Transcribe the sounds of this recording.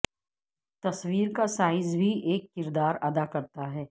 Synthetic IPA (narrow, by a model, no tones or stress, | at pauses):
t̪ɐswiːɾkasaːɪzbʱiʔeːkːɪɾd̪aːɾɐd̪akɐɾt̪aɦɛː